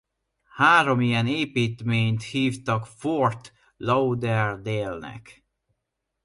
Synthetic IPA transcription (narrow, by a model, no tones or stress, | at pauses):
haːɾo̞mijɛneːpiːt̪meːɲt̪hiːft̪ɒkfort̪ | lɒwd̪ɛrd̪eːlnɛ̰k